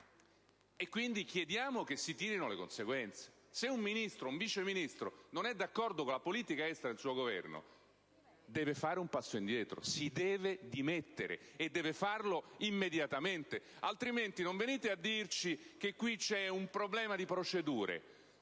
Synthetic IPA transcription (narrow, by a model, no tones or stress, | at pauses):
ekːwind̪ik̟jed̪jaːmok̟esːit̪iːɾinolekonseɡwɛnt̪se̥ | seumminist̪ɾouɱviːt͡ʃeminist̪ɾo̰nonɛd̪ːakːɔrd̪okolapoliːt̪ikaɛst̪ɾad̪elsuːoɡovɛ̰rno̰ | d̪ɛːvefaːɾeumpasːoind̪jɛːt̪ɾo̰sid̪ɛːved̪imet̪ːeɾḛed̪ːɛːvefarloimːed̪jat̪ament̪e | alt̪ɾiment̪inoɱveniːt̪ead̪ːirt͡ʃik̟ekːwit͡ʃɛumpɾoblɛːmad̪ipɾot͡ʃed̪uːɾḛ